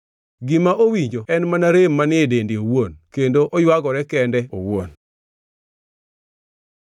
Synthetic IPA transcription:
ɡɪmaʔowiɲd͡ʒoɛnmanaɾemːanɪedendɪowonkendoʔojwaɡɔɾɛkɛndɛowon

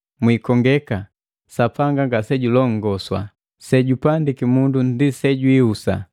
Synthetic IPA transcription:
mwikɔŋɡɛka | sapaŋɡaŋɡasɛɟulɔŋ̩ɡɔswa̰ | sɛɟupandikimundundisɛɟwiusa̰

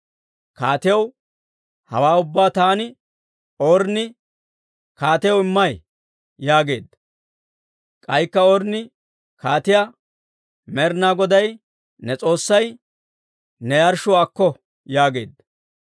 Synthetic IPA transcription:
kaːt̪ɪjɐw | hɐ̰waːʊbːaːt̪aːnɪ | oːɾnɪ | kaːt̪ɪjɐwɪmːɐj | jaːɡe̞̰ːd̪ːɐ | kʼɐjkːɐoːɾnɪ | kaːt̪ɪja | mɛɾnaːɡɔd̪ɐj | nɛt͡sʼo̞ːsːɐj | nɛjɐɾʃʊwaːkːɔ | jaːɡe̞̰ːd̪ːɐ

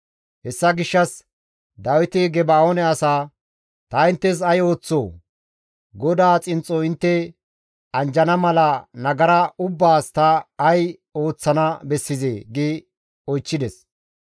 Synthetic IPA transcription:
hɛsːɐɡɪʃːɐs | d̪aːwɪt̪ɪɡɛbaoːnɛɐsaː | t̪ɐɪnt̪ːɛs̬ɐjo̞ːt͡sːoː | ɡɔd̪aːt͡sʼɪnt͡sʼːoɪnt̪ːɛ | ɐnd͡ʒɐnɐmɐlɐnɐɡɐɾɐʊbːaːst̪ɐːj | o̞ːt͡sːɐnɐbɛsːɪzeːɡɪ | ɔjt͡ʃːɪd̪ɛs

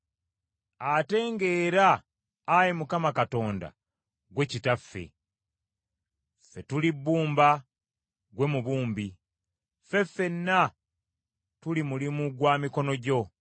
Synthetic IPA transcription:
ate̞ːŋɡe̞ːɾaː | jimukamakato̞ːnda̰ | ɡwe̞citafːe̞̰ | fe̞tulibːuːmba | ɡwe̞muβuːmbi | fe̞fe̞nːa | tulimulimuɡwaːmiko̞no̞ɟo̞

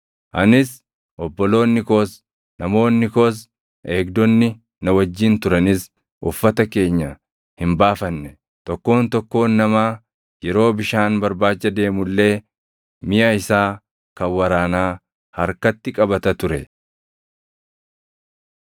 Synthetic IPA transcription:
ʔɐnɪs | ʔɔbːɔlo̞ːnːɪkoːs | nɐmo̞ːnːɪkoːs̬ | ʔe̞ːɡd̪ɔnːɪ | nɐwɐd͡ʒːiːnt̪ʊɾɐnɪs | ʔʊfːɐt̪ɐke̞ːɲːɐ | hɪmbaːfɐnːɛ | t̪ɔkːo̞ːnt̪ɔkːo̞ːnːɐmaː | jɛɾo̞ːbɪʃaːnbɐɾbaːt͡ʃːɐd̪e̞ːmʊlːe̞ː | mɪjʔɐɪsaː | kɐwːɐɾaːnaː | hɐɾkɐt̪ːɪkʼɐbɐt̪ɐt̪ʊɾɛ

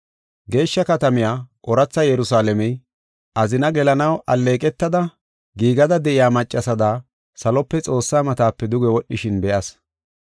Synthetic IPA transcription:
ɡe̞ːʃːɐkɐt̪ɐmɪjaːʔɔɾɐt͡sːɐjɛɾʊsaːlɛmɛj | ʔɐzɪnɐɡɛlɐnɐwʔɐlːe̞ːkʼɛt̪ːɐd̪ɐ | ɡiːɡɐd̪ɐd̪ɛʔɪjaːmɐt͡ʃʼːɐsɐd̪aː | sɐlɔpːɛt͡sʼo̞ːsːaːmɐt̪aːpːɛd̪ʊɡɛwɔɗːɪʃɪnbɛʔɐs

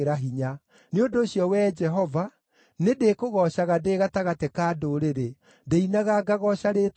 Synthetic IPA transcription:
ɾaɦiɲa | neondoːɕijɔwɛd͡ʒɛɦɔva | nedekoɣɔʃaɣadeːɣataɣatekaːdoɾeɾe | deinaɣaɡaɣɔɕaɾet

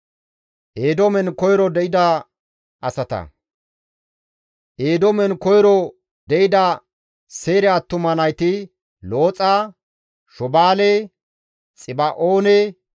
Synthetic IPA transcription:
ʔeːd̪omɛnkɔjɾɔd̪ɛʔɪd̪ɐ | ʔɐsɐt̪ɐ̰ | ʔeːd̪ɔmɛnkɔjɾɔ | d̪ɛʔɪd̪ɐ | se̞ːɾɛɐt̪ːʊmɐnɐjt̪ɪ | lo̞ːt͡sʼa | ʃɔbaːle | t͡sʼɪbɐʔoːne

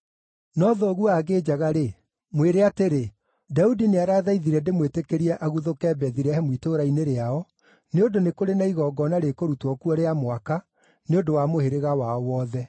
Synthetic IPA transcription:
nɔðɔɣuaɣeːd͡ʑaɣaɾe | mweɾeateɾe | daudineaɾaːðaiðiɾɛndemwetekeɾiɛʔaɣuðokɛbɛðiɾɛhɛmwitoɾaineɾeaɔ | neodonekoɾenaiɣɔɡɔnaɾekoɾutwɔkuɔɾeamwaka | neondowamoheɾeɣawaɔwɔːðɛ

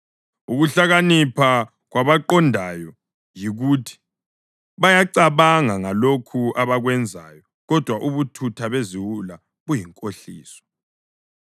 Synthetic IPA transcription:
uɣuɬaɣanipʰa | ɣwaβaǃɔndʱajɔ | jiɣutʰi̥ | βajaǀaβaŋaŋalokʰuʔaβaɣwɛnd͡zʱajɔ | ɣɔd̥ʱwaʔuβutʰutʰaβeziwula | ɣujiŋkʼoɬḭːsɔ̥

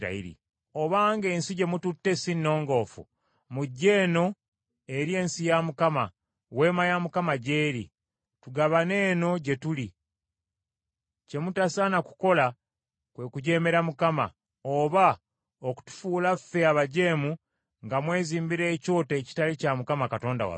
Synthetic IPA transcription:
a̰iɾḭ | o̞βaːŋɡe̞ːnsiɟe̞mututːe̞sinːo̞ːŋɡo̞ːfṵ | muɟːe̞ːno̞ | e̞ɾje̞ːnsijamukama̰ | we̞ːmajamukamaɟe̞ːɾḭ | tuɡaβane̞ːno̞ɟe̞tuli | ce̞mutasanaku̥ko̞la | kwe̞kuɟe̞ːme̞ɾamukama̰ | oβa | oku̥tu̥fuːlafe̞aβaɟe̞ːmu | ŋɡamwe̞ːziːmbiɾe̞ːco̞ːte̞ːci̥talicamukamakato̞ːnda̰wa̰

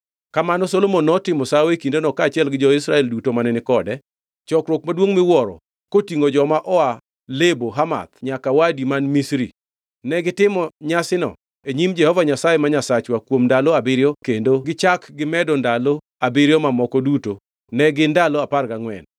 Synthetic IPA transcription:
kamanɔsolomonːɔtɪmɔsawekindonɔkaːt͡ʃɪɛlɡɪd͡ʒɔɪsɾaɛldutomanɛnɪkɔdɛ | t͡ʃɔkɾwokmadwoŋmɪwɔɾɔ̰ | kotiŋod͡ʒɔmaʔɔa | leboɦama̰t̪ɲakawadimanmisɾi | nɛɡɪtɪmɔɲasɪnɔ̰ | eɲimd͡ʒɛhɔvaɲasajemaɲasat͡ʃwakwomndaloabɪɾjɔkendoɡɪt͡ʃakɡɪmɛdɔndalo | abɪɾjɔmamɔkɔduto | nɛɡɪndalɔaparɡaŋwɛ̰n

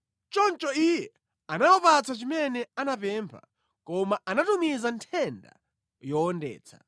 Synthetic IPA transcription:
t͡ʃɔnt͡ʃɔijɛ | anawɔpat͡sʰat͡ʃimɛnɛanapɛmpʰa̰ | kɔmaʔanatumizantʰɛnda̰ | jɔɔndɛ̰ːt͡sʰḁ

